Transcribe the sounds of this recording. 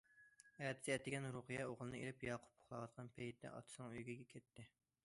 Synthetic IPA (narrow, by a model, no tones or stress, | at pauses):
ɛt̪ʰɪ̥siɛt̪ːɪɡʲɛnɾuχɨjɛoʁlˠɨnɨḛɾɪpjɑːqʰʊ̥p̚ʰːo̥χlˠɑwɑt̪̚qʰɑnpʰɛjt̪ʰːɛ̰ʔɑ̰t̪ʰɨ̥snɨŋøjɡʲiɡʲɛkʲʰɛt̪ːɪ